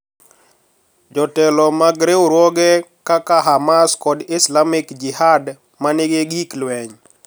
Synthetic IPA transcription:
d͡ʒɔtɛlɔmaɡɾewɾwɔɡɛkakaɦamaskɔdɪslamɪkd͡ʒɪhad | manɪɡeɡiklwɛɲ

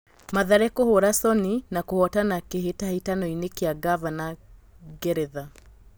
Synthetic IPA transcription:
maðaɾɛkohoɾasɔninakohɔtanakeɦetahitanɔinekeaɡavana | ɡɛɾɛða

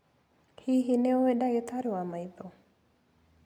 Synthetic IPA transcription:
hiɦineoʋeɖaɡet̪ʰaɾuamajt̪o

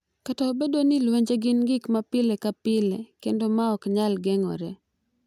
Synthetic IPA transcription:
kataːbedonɪlweɲd͡ʒeɡɪnɡɪkmapɪlekapɪlekendomaɔkɲalɡɛŋɔ̰ɾɛ̰

